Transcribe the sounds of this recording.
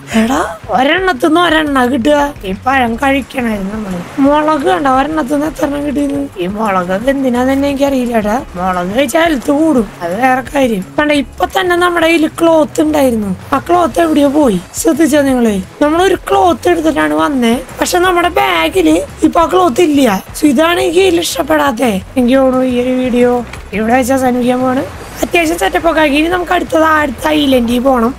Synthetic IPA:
eːɽaoɾɐɳːɐt̪̬ːunːɨɐɾɐɳːakiʈ̬ːuaipːoɐɻɐŋkɐɻikʲːaːɳaːjiɾunːunɐmːuɽemoɭɐɣɨɐɳɖɐoɾɐɳːɐt̪̬ːunːet̪ːɐrɐnːaŋkiʈ̬ːujnːuiːmoɭɐɣɐd̪end̪inat̪ɐnːeeŋɡiɐrijiɾːaɽamoɭɐɣɨet͡ɕeːlɐt̪ːɨkuːɽuɐðɨʋeːrɐkːaːjiɾjɐmkɐɳɖeipːot̪ɐnːe̞nɐmːuɽeilɨkːɭoːt̪ːuɳɖaːjiɾunːuɐkːɐɭoːt̪ːeʋiɽijoːpo̞ːjisrɐd̪ʱit͡ɕːɐniŋːɐɭɨnɐmːɐɭo̞ɾuklo̞ːt̪ːeɽut̪ːɐtːaːɳɨʋɐnːepɐkʂe̞ːnɐmːuɽe̞baːɡilɨipːok̬ɭo̞ːt̪̬ːilːijɐswid̪ʱaːɳikiiliʂʈɐpːeɽaːt̪̬ːeeŋɡioːɳuiɐɾuʋiːɽijo̞ː | iʋiɽeʋet͡ɕːasɐnuɡjɐmaːɳɨ | ɐt̪jaːɕ̬ɐmt͡ɕɐtːɐpːo̞ːkaːkiːninɐmukːɐɽut̪ːɐðaːɽit̪ːaiːlendipo̞ːɣɐɳɐm

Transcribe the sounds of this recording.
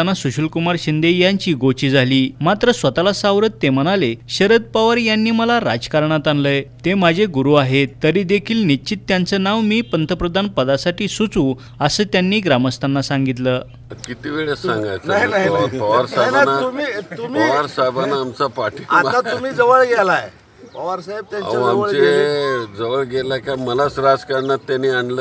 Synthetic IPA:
nːasuɕulkumaɾɕind̪ejaɲt͡ɕiːɡot͡ɕiːd͡zʱaliːmat̪ɾəsʋət̪alasaʋɾət̪ːem̤ənaleɕəɾəd̪̚paʋəɾjanːiːməlaɾa̰d͡zkaɾɳat̪anləjt̪emad͡ʑʱeɡuɾuaɦet̪əɾid̪ekʰiːlnit͡ɕit̪ːjant͡sənaʋmiːpənt̪ʰəpɾəd̪ʱanpəd̪asaʈiːsut͡sũ | əsəːt̪janːiːɡɾaməst̪ʰanːasãŋɡit̪̬ləː | kit̪iʋeɭesãŋɡajt͡saaɦjnaɦjpəʋaɾsnajnaɦinat̪umit̪um̤iːʋaɾsajbanːaːmt͡sapaʈʰiaat̪um̤iːd͡zəʋəɭɡelaj | pəʋaɾsaɦeb̚t̪jaa̰aaməɭed͡zəʋəɭɡelakaməlat͡sɾad͡zkaɾɳat̪ːjaniaɳlə

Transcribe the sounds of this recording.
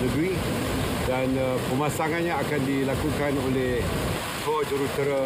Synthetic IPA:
nəɡɾi | danpəmasaŋãnɲãakandilakukanoleh | tɔd͡ʒuɾut̪əɾa

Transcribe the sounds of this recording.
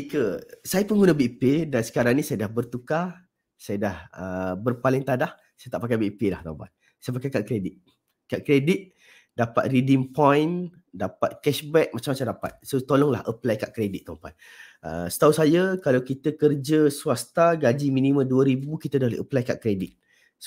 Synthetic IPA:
ikəsajapəŋɡunəbiʔpedansə̥kaɾaŋnĩsajədahbərt̪uka | sajədahəbərpalɪŋt̪adah | sajat̪aʔpakajbiʔpelaht̪auba̰t̪̚ | sajəpakajkaʔkɾedit̪̚ | kaʔkɾedit̪̚ | dapa̰t̪̚ridimpɔjn | dapat̪̚kɛʃbɛk̚mat͡ʃamːat͡ʃamdapa̰t̪̚sot̪olɔŋla̰ʔəplajkaʔkɾedit̪̚ːəmpa̰t̪̚ | ə̰sə̥t̪ausajəkalawkit̪əkərd͡ʒəsuast̪aɡad͡ʒiminiməmduəɾibukit̪ədaɦleʔəplajkaʔkɾedɪt̪̚ | s

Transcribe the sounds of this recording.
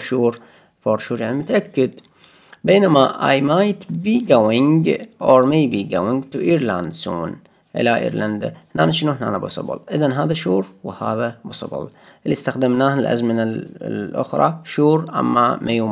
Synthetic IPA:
ʃuːɾ | foːɾˤʃuːɾjaʕnimʊt̪aʔakːɪd̪ | beːnamaʔa̰ːjmaːjt̪biːɡawɪŋɡʔoɾˤmejbiɡawɪŋɡt̪uʔiːɾland̪sṵːn | ʔɪ̰laʔḭːɾland̪a̰hnaːnaʃɪnuhna̰ːnabʊ̰sˤɨ̰bʊ̰lʔɪðanɦaːðaʃuːɾwha̰ːðabʊsˤɨ̰bɨ̰l | ʔlːist̪axd̪amnaːhɪlʔa̰zmɪnalʔʊ̰xɾˤɑ̰ʃuːɾʔa̰mːamʔajuː

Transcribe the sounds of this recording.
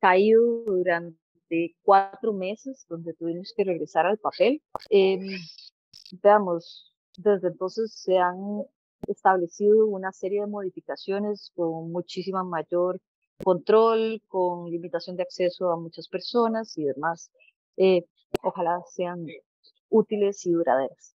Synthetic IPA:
kaiðoðuɾan | t̪e̞k̚wat̪ɾo̞me̞se̞zd̪o̞nd̪e̞t̪uβimoske̞re̞ɣɾe̞saɾalpape̞lem | deamos | d̪e̞zd̪eːnt̪o̞nse̞sːe̞an | e̞st̪aβle̞siðounase̞ɾje̞ðe̞mo̞ð̞ifikasjo̞ne̞sko̞nmut͡ʃisimamaʝo̞ɾ | kont̪ɾo̞lkoŋlimit̪asjo̞nd̪eakse̞so̞amut͡ʃaspe̞ɾso̞nasiðe̞mas | e | oxalase̞an | ut̪ile̞siðuɾa̰ðe̞ɾas

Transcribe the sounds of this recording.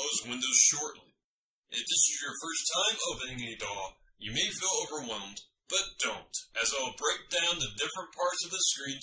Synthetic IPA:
ʊzwɪ̃ndoʊz̥ʃɔɹʔˡlḭ | ʔɪt̚ðɪsɨzjə˞fɜ˞stʰãɪ̃moʊpɨ̃nɪ̃ŋɨdɔ | jɨmeɪfilˠoʊvə˞wɛlˠmd | b̥ʌt̚d̥õʊ̃ntʔɨzaɪlˠbɹeɪk̚d̥ãʊ̃nðɨdɪfɹə̃npʰɑɹtsʌvðɨskɹĩn

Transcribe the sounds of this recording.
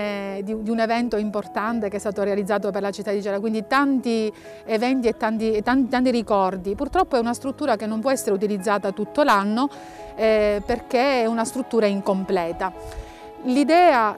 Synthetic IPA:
d̪iud̪iunevɛnt̪oimport̪ant̪ekeɛst̪aːt̪oɾealid̪zːaːt̪̬operlat͡ʃit̪ːad̪ːid͡ʒɛːlakwind̪it̪ant̪i | evɛnt̪̬iet̪ːant̪it̪ːant̪it̪ant̪̬iɾikɔrd̪ipurt̪ɾɔpːoɛunast̪ɾut̪ːuːɾakenːompwɔɛsːeɾeut̪̬ilid̪zːaːt̪at̪ut̪ːolanːo | ɛperkeɛunast̪ɾut̪ːuːɾaiŋkomplɛːt̪a | lid̪ɛːa

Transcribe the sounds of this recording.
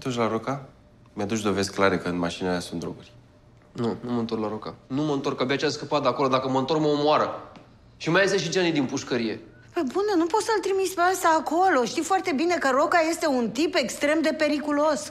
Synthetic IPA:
t̪orʃlaɾoka | mjad̪ut͡ʃd̪o̞ve̞zklaɾekəɨnmaʃinelasunt̪d̪ɾo̰ɡurʲ | nunuməɨnt̪o̞rklaɾokanuməɨnt̪o̞rkabiat͡ʃiaskəpat̪d̪ako̞lo̞d̪akəməɨnt̪o̞rk̚məomoaɾə | ʃimajest̪eʃ̬it͡ʃeanijd̪inpuʃkəɾije̞ | pəbunenupo̞t̪səlt̪ɾimit̪speast̪aːko̞lo̞ʃt̪ifoart̪e̞bine̞kəɾo̞kaje̞st̪e̞unt̪ipe̞kst̪ɾe̞md̪e̞pe̞ɾikulo̞s

